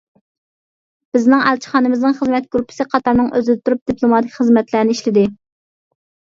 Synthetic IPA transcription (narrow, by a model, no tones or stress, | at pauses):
b̥ɪznɪŋælt͡ʃʰi̥χɑːnɨmɪznɨŋχəzmɛt̪̚ɡɾupʰɪ̥sɨqʰɑt̪ɑɾnɨŋøzɪd̪ɪt̪ʰuɾup̚d̪ipʰlˠomɑt̪ʰɪkʲχəzmɛt̪læɾnɪiʃlɪd̪ɪ